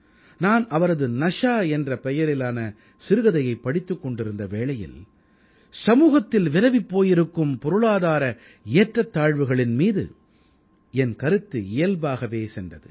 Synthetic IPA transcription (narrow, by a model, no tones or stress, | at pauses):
naːnɐʋɐɾɐðɯnɐʂaːɛndrɐpɛjɐɾɪlaːnɐ | sɪɾɯɣɐðɐjɐɪpːɐɽɪt̪ːɯkːɔɳɖɪɾɯnd̪ɐʋeːɭɐjɪ̰l | sɐmuːɣɐt̪ːɪlʋɪɾɐʋɪpːoːjɪɾɯkːɯmpɔɾɯɭaːðaːɾɐ | eːʈrɐt̪ːaːɻʋɯɣɐɭɪnmiːðɯ̰ | ɛnkɐɾɯt̪ːɯɪjɐlbaːɣɐʋeːsɛndrɐðɯ